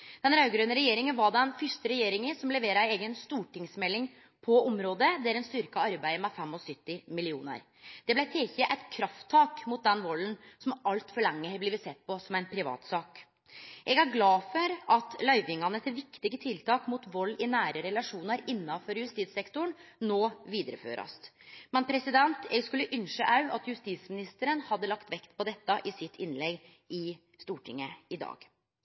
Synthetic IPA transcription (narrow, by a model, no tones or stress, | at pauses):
d̪̥ɛnɾɑʉɡɾøːnəɾɛjeːɾɪŋənʋɑɖɛnfʏʂt̪əɾɛjeːɾɪŋəsɔmlɛʋeːɾəeːɡənst̪uːʈɪŋsmɛlːɪŋ | pʰɔɔmɾoːd̪əd̪æɾɛnst̪ʏɾkɑɑɾbæɪəmɛfɛmːɔsʏt̪ːɪmɪlɪuːnə̰ɾ | d̪̥ɛblæɪt̪ʰeːçəʔæɪt̪kʰɾɑft̪ʰːɑːkmʊt̪̚d̪ɛnʋɔlːənsɔmɑlt̪fɔɭɛŋːəbliːʋət̪sɛt̪̚ːpɔsɔmæɪnpʰɾɪʋɑ̰ːt̪sɑːk | ʔɛɡæɾɡlɑːfɔɾɑt̪lœʏʋɪŋɑnət̪ʰɪʋɪkt̪ɪɡət̪ʰɪlt̪ʰɑːkmʊt̪ʋɔlːɪnæːɾəɾɛlɑʂuːnəɾɪnːɑfɔɾjʉst̪iːt̪sɛkt̪ʊɳnoːʋiːd̪əɾəfø̰ːɾɑ̰st̪mɛnpʰɾɛsɪd̪ɛnt̪ɛɡskʉlːəʔʏnʂəʔɑʉʔɑt̪jʉst̪iːt̪smɪnɪst̪əɾənhɑd̪ːəlɑkt̪ʋɛkt̪pʰɔd̪ɛt̪ːɑʔɪsɪt̪ʰːɪnlɛɡ | ɪ | st̪uːʈʰɪŋːəɪd̪ɑ̰ːɡ̥